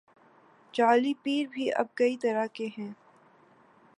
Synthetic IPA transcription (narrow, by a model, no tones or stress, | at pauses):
t͡ʃaːlipiːɾbʱiʔɐ̰b̚kɐit̪ɐɾakeɦɛ̃ː